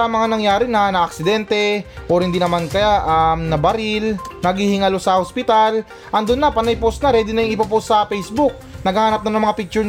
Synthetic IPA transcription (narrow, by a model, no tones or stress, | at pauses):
ɐɐmɐŋanɐŋjaːɾɪnɐnɐʔɐk̚sɪd̪ɛnt̪ɛʔoɾhɪnd̪inɐmankɐaʔɐmnɐbɐɾɪlnɐɡhihɪŋɐlosɐhospɪt̪al | ʔɐnd̪ʊnːɐpɐnɐjposnɐɾɛd̪ɪnɐjɪŋɪpaposɐpɛjsbʊk̚nɐɡaːhaːnɐp̚nɐnɐŋmɐŋapik̚t͡ʃʊ